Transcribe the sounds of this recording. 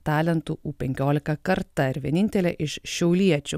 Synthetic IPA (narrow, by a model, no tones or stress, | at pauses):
t̪ɑːlʲɛnt̪uːʔuːpʲɛŋʲkʲoːlʲɪkɐkɐɾt̪ɐɪɾʋʲiɛnʲɪnʲt̪ʲɛlʲɛʔɪʃʃʲɛʊlʲiɛt͡ʃʲʊ